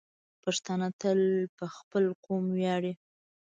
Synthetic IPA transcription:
paʂt̪ɑnat̪əlpəxpəlqomwjɑɽe

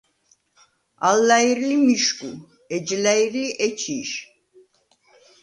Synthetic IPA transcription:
a̰lːaiɾlimiʃkʼu | ɛd͡ʒlaiɾliʔɛt͡ʃʰiʃ

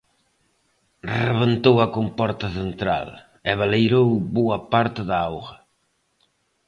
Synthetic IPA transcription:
reβent̪owɐkompɔɾt̪ɐθent̪ɾa̰l | ɛβalejɾowbuɐpaɾt̪ɪðaawɣɐ

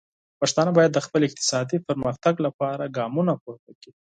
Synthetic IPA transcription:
paʃt̪ɑnabɑjad̪ːəxpəlɪq̚t̪ɪ̥sɑd̪ipəɾməxt̪aɡlapɑɾaɡɑmunapoɾt̪aki̥

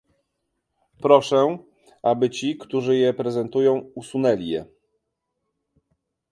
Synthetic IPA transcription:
pɾɔʂɛ | ʔabɘt͡ɕikt̪uʐɘjɛpɾɛzɛnt̪ujɔ̃w̃usunɛlʲijɛ̰

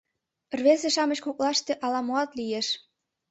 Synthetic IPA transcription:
rβezeʃɑmɤ̆ɕkok̚lɑʃt̪eʔɑlɑmoɑt̪lijeʃ

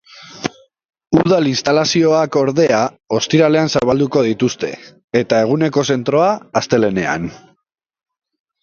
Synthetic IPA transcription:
uðalinst̪alasio̞ako̞ɾðe̞a | o̞st̪iɾale̞ansaβald̪uko̞ðit̪ust̪e̞̰ | et̪ae̞ɣ̞une̞ko̞se̞nt̪ɾo̞aːst̪e̞le̞ne̞a̰n

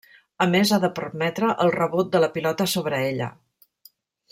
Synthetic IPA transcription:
əmezaðəpərmɛt̪ɾəʔəlˠrəβut̪̚d̪ələpilɔt̪əsoβɾəeʎə̰

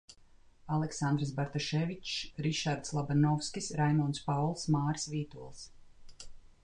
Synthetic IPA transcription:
alˠɛksand̪ɾs̬baɾt̪ɔʃɛvit͡ʃɾiʃaɾd̪slˠabanɔwskʲisɾajmɔnspawlˠsmaːɾsvʲiːt̪uɔlˠs

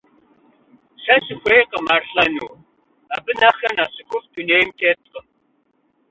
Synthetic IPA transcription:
ɬɐsɨxʷejqɐmarɬɐnuw | abɨnɐxɐnaːɕɨkʷʊfduneːjmtʰeːt̚qəm

